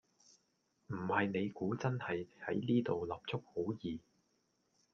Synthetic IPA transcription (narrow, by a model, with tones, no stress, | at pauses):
m̩˨˩hɐ˨jne˨˧jkuː˨˥t͡sɐ˥nhɐ˨jhɐ̰˨˥jniː˥t̪o˨wlɐ˨p̚t͡ʃʰʊ˥k̚ho˨˥wjiː˨